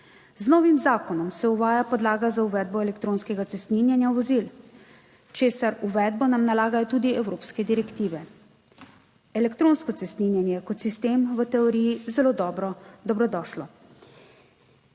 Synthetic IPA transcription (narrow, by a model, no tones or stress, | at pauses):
znɔːʋimzaːkɔnɔmsɛuʋaːjapɔd̪laːɡazauʋɛːd̪̚bɔɛlɛkt̪ɾoːnskɛɡat̪sɛst̪ninjanjaʋɔzil | t͡ʃeːsaɾuʋɛːd̪̚bɔnamnalaːɡajɔt̪uːd̪iɛwɾoːpskɛd̪iɾɛkt̪iːʋɛ | ɛlɛkt̪ɾoːnskɔt̪sɛst̪ninjanjɛkɔt̪sist̪eːmʋət̪ɛɔɾiːjizɛloːd̪ɔːbɾɔd̪ɔbɾɔd̪ɔːʃlɔ